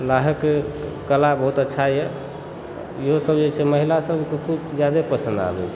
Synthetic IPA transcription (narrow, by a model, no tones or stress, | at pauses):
laɦəkːekəlabəɦut̪ətːʃʰajɛ | iɦosəbd͡ʒet͡ʃʰeməɦilasəbʱkekʰubd͡ʒjad̪epəsə̃nd̪a̰lə̰t͡ʃʰ